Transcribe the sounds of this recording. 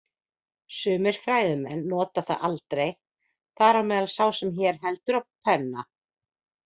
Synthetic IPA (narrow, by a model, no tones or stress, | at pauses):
sʏːmɪɾ̥fɾaːjðʏmɛnːɔːt̪aθa̰ðalt̪ɾej | θaɾawmɛːðalsaːwsɛmçɛːɾ̥ɦɛlt̪ʏɾawpʰɛnːa